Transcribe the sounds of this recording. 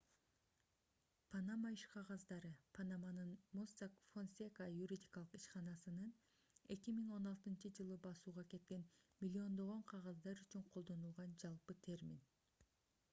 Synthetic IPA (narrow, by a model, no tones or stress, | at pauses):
pʰanamaiʃqʰɑʁɑzd̪ɑɾɯpʰanamanɯnmosakfonsʲekajuɾʲidʲikɑlˠɯ̥qiʃqɑnɑsɯnɯn | e̞kimiŋo̞nɑlˠt̪ɯnt͡ʃɯd͡ʒɯlˠɯbɑsuːʁɑke̞t̪̚ke̞nmʲilʲːio̞nd̪o̞ʁo̞ɴqʰɑʁɑzd̪ɑɾyt͡ʃyɴqʰo̞lˠd̪o̞nulˠʁɑnd͡ʒɑlˠpɯt̪ʰe̞rmʲḭn